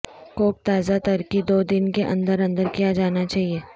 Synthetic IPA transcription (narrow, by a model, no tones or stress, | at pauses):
koːk̚t̪aːzat̪ɐɾkid̪oːd̪ɪnkeʔɐ̰̃nd̪əɾɐ̃nd̪əɾkijad͡ʒaːnat͡ʃaːɦieː